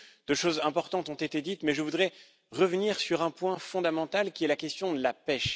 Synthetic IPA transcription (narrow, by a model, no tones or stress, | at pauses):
d̪̥øʃozɛ̃pɔʁt̪ɑ̃t̪ɔ̃t̪et̪ed̪it̪mɛʒəvud̪ʁɛ | ʁəvəniʁsyʁɛ̃pwɛ̃fɔ̃d̪amɑ̃t̪alkʲiɛlakʲɛst̪jɔ̃d̪əlapɛʃ